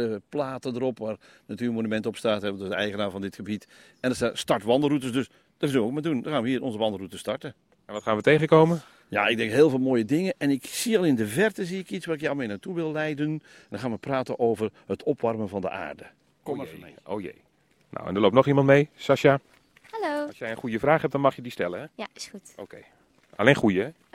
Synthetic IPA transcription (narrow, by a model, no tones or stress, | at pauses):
əəplaːtədəɾɔpʋaːr | natyːmonymɛntəɔpstaːtɦɛdodəɛ̰jɣənaːvɔndɪtxəbit | ɛndəstaːtstɑɹtʋɑndərutəsdøs | d̥arzʏnʋəokmadundɔrxaːnʋəiːnɔnzəʋɑndərutəstɑɹtə | ɛnʋɔtxaːnʋətejɣəkoːmə | ja̰ɪɡ̚dɛŋkɦɪːlˠvɪːlˠmoːjədɪŋəʔɛnɪksiɑlˠɪndəvɛrtəziɪkitsʋaːrɪkjalˠmɪːnatuʋɪlˠːɛjdən | ndɔnxaːnʋəpraːtənʔoːwvərhətʰɔpʋɑrmənvɔndə̰ʔa̰ːrdə | o̰jḛj | na̰wɛ̰ndərloːp̚nɔχimɑntmejsaʃa | haloɑsjɛjə̃nχujəfraːχhɛp̚d̥ɔnmɑχjədistɛləɛjḁsutokej | ʔa̰leːnχujə